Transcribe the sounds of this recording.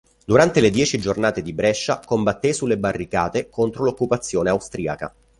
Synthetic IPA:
d̪uɾant̪eled̪jɛːt͡ʃid͡ʒornaːt̪ed̪ibɾɛʃːakombat̪ːesulːebarːikaːt̪ekont̪ɾolokːupat̪sːjoːneawst̪ɾia̰ka̰

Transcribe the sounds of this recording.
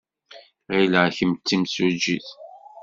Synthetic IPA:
ʁiləʕçəmt͡sːimsud͡ʒiθ

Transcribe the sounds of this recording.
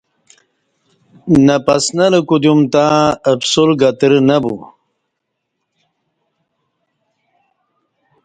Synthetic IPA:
nɐpɐsnaləkud̪umt̪ãəbsulɡat̪ɾnabṵ

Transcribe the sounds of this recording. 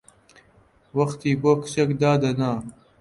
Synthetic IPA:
wɐxt̪iːboːkʰɨ̥t͡ʃɐkd̪aːd̪ɐnaː

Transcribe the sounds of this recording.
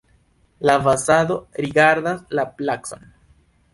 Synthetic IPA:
lafasad̪o̞ɾiɡaɾd̪aslaplakson

